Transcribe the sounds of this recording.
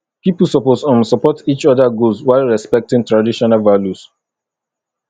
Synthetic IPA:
pipəsɔposãnsɔpɔtit͡ʃɔdaɡuswaɪlɹɛspɛk̚tĩŋtɹadiʃɔnalvaljus

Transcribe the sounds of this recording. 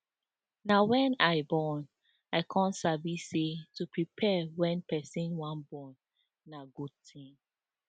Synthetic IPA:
nawɛ̃naɪbɔn | aɪkʰɔ̃nsavisetupɹipʰɛwɛ̃npʰɛsĩnwãnbɔ̃nː | aɡud̚tʰĩŋ

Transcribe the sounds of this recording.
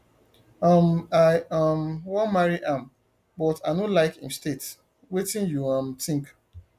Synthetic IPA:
amaɪamwɔmaɹiʔãm | bɔtaɪnolaɪkĩmstet | wetĩnjuãmtĩŋk

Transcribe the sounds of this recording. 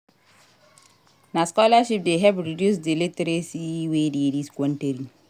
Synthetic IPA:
naskɔlaʃip̚deɦɛbɾidusdelitɾesiwedidiskɔnteɾi

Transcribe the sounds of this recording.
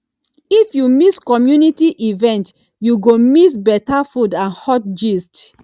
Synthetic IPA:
ifjumiskɔmjunitiʔivɛ̃nt | juɡomis̬bɛtafudãnhɔt̚d͡ʒist

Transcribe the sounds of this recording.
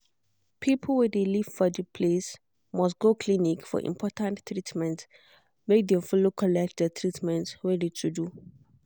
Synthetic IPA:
pʰipʰl̩wɛdelivfɔdipʰles | mɔs̬tɡokʰlinikfɔ̰ʔḭ̃mpʰɔtãnɹitmɛ̃nts | mek̚dɛ̃mfɔlokʰɔlɛk̚t̚dətʰɹitmɛ̃ntɹɛditʰudu

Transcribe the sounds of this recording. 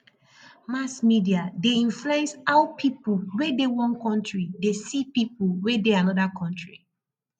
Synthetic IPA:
masmidiadeĩɱflesaʊpʰipulwedewɔ̃nkɔ̃ntɹidesipipuwedeanɔdakʰɔ̃ntɹi

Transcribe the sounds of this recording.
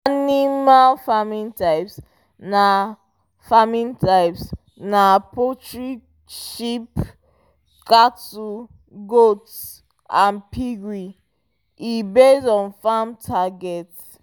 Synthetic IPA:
animalfamĩntaɪps | na | famĩntʰaɪps | napotɹi | ʃip | katu | ɡots | ʔãnpʰiɡɹi | ibesɔ̃nfamtʰaɡɛt

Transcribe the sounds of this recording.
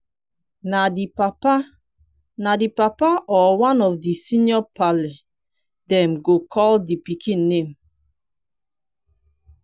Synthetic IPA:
nadiapa | nadipapaʔɔwãnɔfdisinjɔpalɛ | dɛmɡokʰɔldipikʰĩnːem

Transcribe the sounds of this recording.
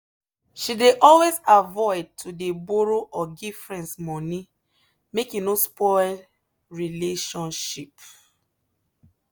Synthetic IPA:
ʃideʔɔlwezavɔɪd̚tʰudeboɹoʔɔɡifɹɛ̃nsmɔ̃ni | mekjunospɔl | ɹileʃɔ̃nʃip

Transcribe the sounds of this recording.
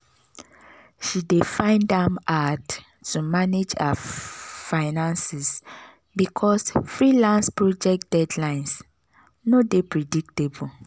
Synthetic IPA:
ʃidefãɪ̃ndãmatː | umaned͡ʒa̰ | faɪnãnsɛs | bikʰɔsfɹilãnspɹɔd͡ʒɛk̚d̥ɛdlãɪ̃ns | nodepɹɛdik̚tebul

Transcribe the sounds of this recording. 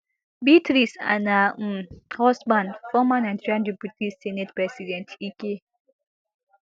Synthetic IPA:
bitɾisa̰nam̩hɔsmanfɔmanãnd͡ʒiɾãndeputissɛnetpɾɛsidɛntʰike

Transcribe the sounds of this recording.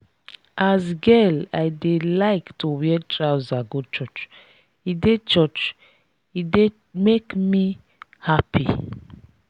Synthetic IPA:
ʔazɡɛlajdelaɪktʰuwɛtɹawzaɡut͡ʃɔt͡ʃ | idet͡ʃɔt͡ʃ | ide | mekmi | hapʰḭ

